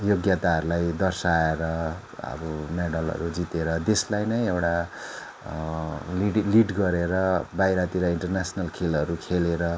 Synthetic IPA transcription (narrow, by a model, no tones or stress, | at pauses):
joɡjat̪aɦʌɾulajd̪ʌrsaeɾʌ | ʌ̰bʌmeɽʌlɦʌ̰ɾud͡zit̪eɾʌd̪eslajnʌjewʈa | liliʈɡʌɾeɾʌbajɾat̪iɾʌiɳʈʌrnasnʌlkʰilʌɾukʰeleɾʌ